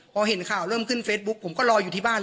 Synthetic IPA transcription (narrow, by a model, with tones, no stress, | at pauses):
pʰɔː˧ɦe˨˩˦nkʰaː˨˩wɾɤː˥˩˨mkʰɯ˥˩nfeː˦˥t̪̚bu˦˥k̚pʰo˩˦mkɔː˥˩lɔː˧juː˨˩iː˥˩baː˥˩